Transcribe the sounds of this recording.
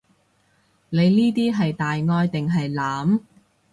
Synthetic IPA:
ne˨˧jniː˥t̪iː˥ɦɐ˨jt̪aː˨jŋɔː˧jt̪ɪ˨ŋɦɐ˨jlaː˨˥m

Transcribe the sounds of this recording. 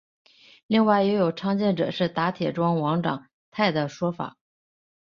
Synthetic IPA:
li˥˧ŋwa˥˩ɪjɛ˧˥jo˨˩ʊʈ͡ʂʰɑ˥ŋt͡ɕjɛ˥˩nʈ͡ʂɤ̰˨˩ʂɻ̩˥˩t̪a˧˥t̪ʰjɛ˨˩ʈ͡ʂwɑ˥ŋwɑ˧˥ŋʈ͡ʂɑ̰˨˩˦ŋ | t̪ʰa˥˩ɪd̪ə˩ʂwɔ˥fa̰˨˩˦

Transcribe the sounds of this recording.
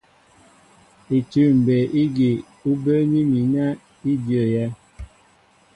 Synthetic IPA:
i˨tʉ˦˨m̩˨be˨ʔi˦ɡi˨ | u˦bə˦ni˦mi˨na˦ | i˦djə˨jɛ˦

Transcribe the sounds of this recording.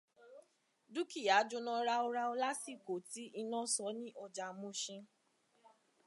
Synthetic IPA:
du˦ki˦˨ja˨˦d͡ʒo˧nã˧ɾa˧o˧ɾa˧o˧la˦si˦˨ko˨ti˦ʔi˧nã˦sɔ˧˦nĩ˦ʔɔ˧d͡ʒa˧mũ˦ʃĩ˧

